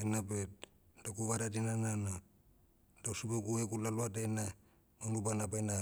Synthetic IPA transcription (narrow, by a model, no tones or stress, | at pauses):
enabet̚ | dakuβaɾadinanana | dausubekuekulaluadajna | manɡubanabajna